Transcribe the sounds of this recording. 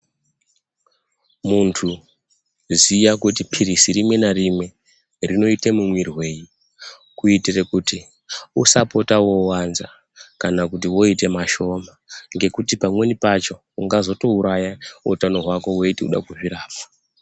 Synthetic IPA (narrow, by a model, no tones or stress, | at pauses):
muntʰu | zijakutipʰirisiɾimwe̞naɾime̞ | rino̞itemumwirwe̞ji | kuitirekuti | usapo̞tawo̞wanza | kanakut̬iwo̞ite̞maʃo̞maŋɡe̞kutipamwe̞nipat͡ʃo̞ | uŋɡazo̞to̞uɾajaṵtano̞ɦwako̞we̞itiṵɗa̰kuʐiɾaːfḁ